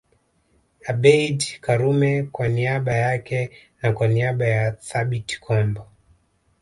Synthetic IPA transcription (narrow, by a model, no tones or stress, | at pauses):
aɓɛidkaɾumɛkwaniaɓajakɛnakwaniaɓajaθaɓiti̥kʰɔmbɔ